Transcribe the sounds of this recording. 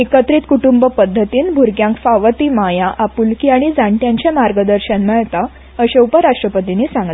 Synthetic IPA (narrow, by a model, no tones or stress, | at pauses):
ekət̪ɾiːt̪kuʈumbəpəd̪ʱːət̪iːnbʱuɾɡjãŋkfaʋət̪iːmajaʔapulkiaɽ̃id͡zaɳʈjãɲt͡ɕemaɾɡəd̪əɾɕənmɛɭt̪a | əɕeupəɾaʂʈɾəpət̪iniːsãŋɡl